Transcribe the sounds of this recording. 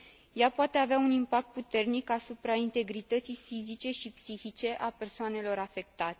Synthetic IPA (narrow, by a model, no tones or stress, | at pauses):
japoat̪e̞aveaunimpak̚t̪̚put̪e̞rnikasupɾaint̪e̞ɡɾit̪ət̪sijfizit͡ʃe̞ʃipsixit͡ʃe̞ʔape̞rsoane̞lo̞ɾafe̞k̚t̪at̪e